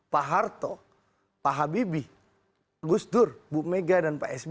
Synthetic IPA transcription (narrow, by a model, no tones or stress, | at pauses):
paɦart̪ɔ | paɦabibi | aɡusdʊrbumeɡadanpaʔɛsb